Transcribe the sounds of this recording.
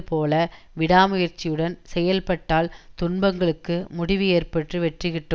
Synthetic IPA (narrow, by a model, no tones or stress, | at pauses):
ɯpoːlɐ | ʋɪɽaːmʊjɐɾt͡ʃːɪjɯɽɐnsɛjɐlpɐʈːaːlt̪ʊnbɐŋɡɐɭɯkːɯmʊɽɪʋɯeːrpɐʈrɯʋɛʈrɯɣɪʈːɯm